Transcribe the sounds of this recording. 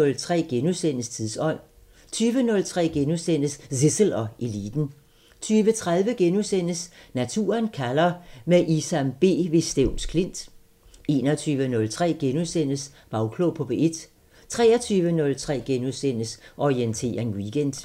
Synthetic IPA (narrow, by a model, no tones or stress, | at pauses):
ɔlt͡sʰʁɛ̰ːɡ̥enusen̰əst͡sʰiðˠsɒ̽n̰ | t͡sʰyːʋənɔ̽lt͡sʰʁɛ̰ːɡ̥enusen̰əssisəl̩ɒ̽e̝lḭːd̥n̩ | t͡sʰyːʋət͡sʰʁað̞ˠʋəɡ̥enusen̰əsnæt͡sʰṵːɐnkʰælɐmeʔisæmb̥e̝̰ːʋe̝sd̥eʊnskʰle̝n̰d̥ | e̝ːnɒt͡sʰyːʋənɔ̽lt͡sʰʁɛ̰ːɡ̥enusen̰əs | b̥ɑ̈ʊkʰlopʰɒ̽b̥eed̥ | t͡sʰʁɛ̰ːɐt͡sʰyːʋənɔ̽lt͡sʰʁɛ̰ːɡ̥enusen̰əsʔɒient͡sʰe̝̰ːɐŋwiːɡ̥en̰d̥